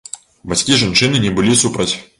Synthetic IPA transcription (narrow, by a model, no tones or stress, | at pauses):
bat͡sʲkʲiʐant͡ʂɨnɨnʲɛbɨlʲisupɾɐt͡sʲ